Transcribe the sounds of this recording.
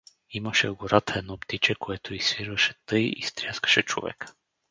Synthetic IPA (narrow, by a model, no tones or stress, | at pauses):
iməʃɛɡoɾat̪əɛd̪nɔpt̪it͡ʃɛkoɛt̪oisfiɾvəʃɛt̪ɤjḭst̪ɾʲjaskə̥ʃɛt͡ʃo̰vɛ̰kə̥